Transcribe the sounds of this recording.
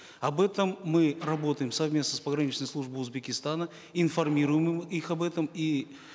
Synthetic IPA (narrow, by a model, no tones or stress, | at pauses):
ɐbɛt̪əmːɨrɐbo̞t̪əjɪmsɐvmʲesnəspəɡɾɐnʲit͡ɕnəjslˠuʐbəʊzbʲɪkʲɪst̪anə | ɪnfɐrmʲiɾʊjɪmmixɐbɛt̪əmi